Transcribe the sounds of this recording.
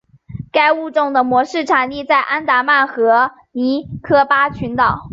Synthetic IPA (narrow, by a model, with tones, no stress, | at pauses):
ka˥ɪu˥˧ʈ͡ʂʊ˥˩ŋd̪ə˩mwɔ˧˥ʂɻ̩˥˩ʈ͡ʂʰa˨˩nli˥˧t͡sa˥˩ɪʔa˥nt̪a˧˥ma˥˩nxɤ˧˥ | ni˧˥kʰɤ˥pa˥t͡ɕʰy˧˥nt̪ɑ˨˩˦ʊ